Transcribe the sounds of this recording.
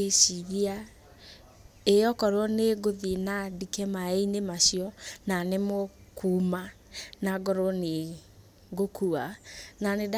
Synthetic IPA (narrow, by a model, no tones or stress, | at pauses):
esiɣia | ejɔkɔɾɔneɡoðinadikɛmaeinemaɕiɔnanemokuːma | naɡɔɾɔne | ɡokuananed